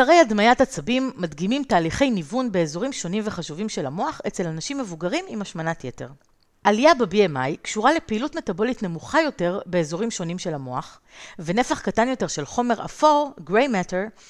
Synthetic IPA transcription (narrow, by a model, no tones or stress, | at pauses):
aʁejadmajathat͡sabimːadɡimimtaːliχe̞jnivunbe̞ːzo̞ʁimʃo̞nimve̞χaʃuvimʃe̞lamo̞aχe̞t͡se̞lanaʃimːe̞vuɡaʁimimaʃmanatjete̞̰ʁ | ʔalijabebiemajkʃuʁalepeilutme̞tabo̞litne̞muχajo̞te̞ʁbe̞ːzoʁimʃo̞nimʃe̞lamo̞aχ | vene̞faχkatanjo̞te̞ʁʃe̞lχo̞me̞ʁa̰foʁɡʁejmeteʁ